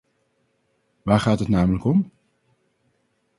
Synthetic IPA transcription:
ʋaːɹχaːtɦətnaːmələkɔm

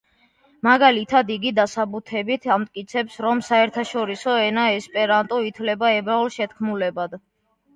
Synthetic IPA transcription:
maɡalit̪ʰad̪iɡid̪asabut̪ʰɛbit̪ʰamt̪ʼkʼit̪sʰɛpsɾɔmsaɛɾt̪ʰaʃɔɾisɔɛnaɛspʼɛɾant̪ʼɔit̪ʰlɛbaɛbaulʃɛt̪kʰmulɛbad̪

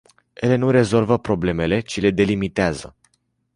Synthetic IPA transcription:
je̞le̞nuɾe̞zo̞lvəpɾo̞ble̞me̞le̞t͡ʃile̞d̪e̞limit̪eazə̰

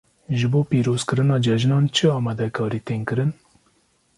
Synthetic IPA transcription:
ʒɨboːpiːɾoːz̥kɨɾɨnɑːd͡ʒɛʒnɑːnt͡ʃʰɨɑːmɑːd̪ɛkʰɑːɾiːt̪eːnkɨɾɨn

